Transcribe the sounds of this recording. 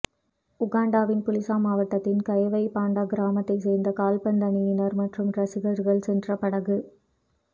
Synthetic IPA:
ʊɣaːɳɖaːʋɪnpʊlɪsaːmaːʋɐʈːɐt̪ːɪnkɐjɐʋɐɪpaːɳɖɐɡɪɾaːmɐt̪ːɐɪsɛːɾnd̪ɐkaːlpɐnd̪ɐnɪjɪnɐɾmɐʈrɯmɾɐsɪɣɐɾɣɐɭsɛndrɐpɐɽɐɣɯ

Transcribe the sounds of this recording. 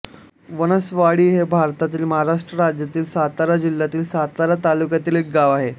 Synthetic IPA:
ʋənəsʋaɽiːɦebʱaɾt̪at̪iːlməɦaɾaʂʈɾəɾad͡ʑjat̪iːlsat̪aɾad͡ʑilːat̪iːlsat̪aɾat̪alukjat̪iːlek̚ɡaʋaɦe

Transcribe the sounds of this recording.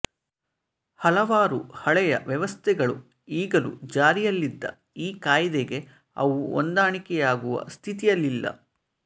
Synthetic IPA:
hɐlɐʋaːɾuhɐɭɛjɐ̰ʋjɛʋɐst̪ʰɛɡɐɭu | iːɡɐlṵd͡ʒaːɾijɐlːid̪ːɐ̰ | iːkaːjd̪eɡe̞ | ɐʋuo̰nd̪aːɳikɛjaːɡuʋɐ̰st̪ʰit̪ijɐlːilːɐ̰

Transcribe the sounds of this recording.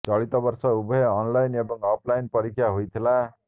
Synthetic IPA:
t͡sɔɭit̪ɔbʌɾsɔubɔɦeɔnlajnebɔŋɔpʰlajnpʌɾikʰjaɦojt̪ʰila

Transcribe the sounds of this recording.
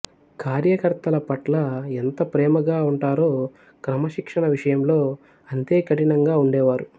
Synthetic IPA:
kaːɾjɐkɐɾt̪ɐlɐpɐʈlɐent̪ɐpɾɛːmɐɡaːuɳʈaːɾo̞ː | kɾɐmɐʃikʂɐɳɐʋiʂɐjɐmlo̞ː | ɐnt̪e̞ːkɐʈinɐŋɡaːuɳɖɛːʋaːɾu

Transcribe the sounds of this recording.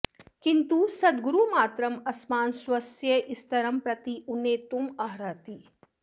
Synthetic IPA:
kint̪usɐd̪ɡuɾumaːt̪ɾɐmɐsmaːnswɐsjɐʔɪst̪ɐɾɐmpɾɐt̪iʔuneːt̪umɐɦɾaːt̪iː

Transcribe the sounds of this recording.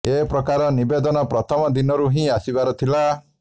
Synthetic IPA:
epɾɔkaɾɔnibed̪ɔnɔpɾɔt̪ʰɔmɔd̪inɔɾuɦĩasibaɾɔt̪ʰila

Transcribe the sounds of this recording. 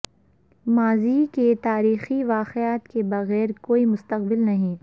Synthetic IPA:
maːziːket̪aːɾiːxiʋaːqɪaːt̪kebɐɣɛːɾkoːimʊst̪ɐq̚bɪlnɐɦĩ

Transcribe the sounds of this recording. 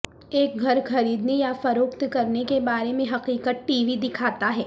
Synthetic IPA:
eːk̚ɡʱɐɾxɐɾiːd̪nejafɐɾoːkt̪kɐɾnekebaːɾemẽɦɐqiːqət̪̚ʈiːʋid̪ɪkʰaːt̪aɦɛː

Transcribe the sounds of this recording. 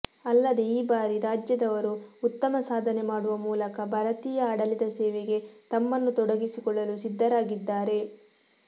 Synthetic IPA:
ɐlːɐd̪eiːbaːɾiɾaːd͡ʒjɐd̪ɐʋɐɾuut̪ːɐmɐsaːd̪ʱɐnemaːɽuʋɐmuːlɐkɐbʱɐɾɐt̪iːjɐːɽɐlid̪ɐsɛːʋeɡe̞t̪ɐmːɐnːut̪ɔɽɐɡisikɔɭːɐlusid̪ʱːɐɾaːɡid̪ːaːɾe̞

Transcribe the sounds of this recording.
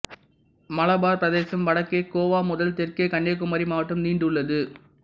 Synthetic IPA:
mɐlɐbaːɾpɾɐðeːsɐmʋɐɽɐkːeːkoːʋaːmʊðɐlt̪ɪrkɐɪkɐɳːɐk̬ːʊmɐɾimaːʋɐʈːɯmniːɳɖɯɭːɐðɯ

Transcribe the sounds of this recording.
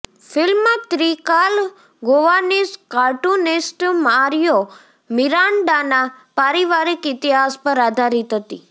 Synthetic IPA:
fɪlmːãt̪ɾikal | ɡoʋaniskaʈunɪsʈmaɾijo | miɾaɳɖanapaɾiʋaɾikɪt̪iɦaspəɾad̪ʱaɾit̪ɦət̪i

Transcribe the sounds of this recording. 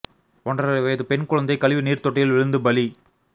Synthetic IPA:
ʔɔnrɐʋɐjɐðɯpɛɳkʊɻɐnd̪ɐɪkɐlɪʋiniːɾt̪ɔʈːɪjɪlʋɪɻɯnd̪ɯbɐli

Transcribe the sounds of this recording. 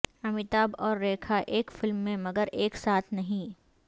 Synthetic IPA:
ɐmɪt̪aːbɔːɾːeːkʰaʔeːkfɪlmːẽmɐɡəɾeːksaːt̪ʰnɐɦĩ

